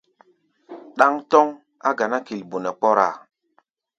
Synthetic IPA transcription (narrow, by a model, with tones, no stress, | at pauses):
ɗa˦ŋtɔ˦ŋ | a˦ɡa˨na˦ki˨lbu˨nɛ˨k͡pɔ˦ɾa̰˨